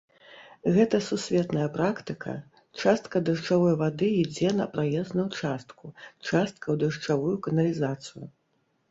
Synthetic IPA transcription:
ɣɛt̪ɐsusʲvʲɛt̪nɐjɐpɾakt̪ɨkʰɐ̰ | t͡ʂast̪kɐd̪ɐʂt͡ʂavɔjvad̪ɨid͡zʲɛnɐ̰pɾajɛznɐjut͡ʂast̪kʰut͡ʂast̪̚kɐwd̪ɐʂt͡ʂavujukɐnɐlʲizat̪sɨjṵ

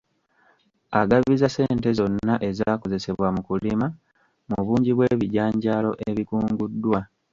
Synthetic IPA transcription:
aɡaβizase̞ːnte̞zo̞nːaʔe̞zaːko̞ze̞se̞βwamukulima | muβuːɲɟiβwe̞ːβiɟaːɲɟaːlo̞ʔeβikuːŋɡudːwa

